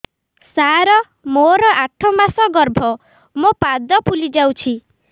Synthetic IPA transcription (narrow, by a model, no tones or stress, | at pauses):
saɾɔ | moɾɔʔaʈʰɔmasɔɡɔɾbʱɔ | mopad̪ɔpulid͡ʒawt͡ʃʰi